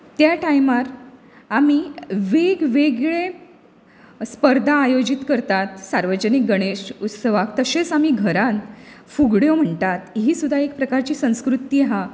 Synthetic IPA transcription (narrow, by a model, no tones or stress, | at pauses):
t̪jaʈajmaɾ | amiʋeɡʋeɡɭe | spəɾd̪ʱãːjod͡ʑit̪kəɾt̪at̪saɾʋəd͡ʑənik̚ɡəɽ̃eɕut̪səʋakt̪əset͡sam̤iːɡʱəɾãnfuɡɽjom̤əɳt̪at̪ɦiːsud̪ʱaek̚pɾəkaɾt͡ɕiːsə̃w̃skɾut̪iːɦa